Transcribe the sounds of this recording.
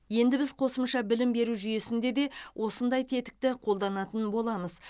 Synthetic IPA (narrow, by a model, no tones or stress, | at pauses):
je̞nd̪ɪbɪzqʰo̞səmʃɑbɪlɪmbe̞ɾuʒʏje̞sɪnd̪e̞d̪e̞wʔo̞sənd̪ɑjt̪ʰe̞t̪ɪ̥k̚t̪ɪqʰo̞lˠd̪ɑnɑt̪ənbo̞lˠɑməz̥